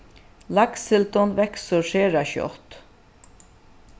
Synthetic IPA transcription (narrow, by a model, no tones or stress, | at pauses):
lɑksɪlt̪ɔnʋɛksəʃeːɾɑçɔ̰t̪